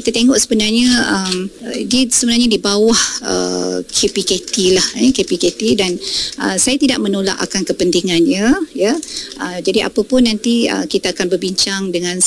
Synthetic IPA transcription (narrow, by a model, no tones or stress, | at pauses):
kit̪at̪eŋɔʔsəbənarɲaəmdiəsəbənarɲadibawahə̰kʰepiket̪ilahjəkepiket̪idanʔəsajat̪idaʔ̚mənola̰ʔa̰kankəpənt̪iŋanɲəjəəd͡ʒadiʔa̰pəpʊnːant̪iə̰kit̪aːkanbərbiɲt͡ʃaŋdəŋãn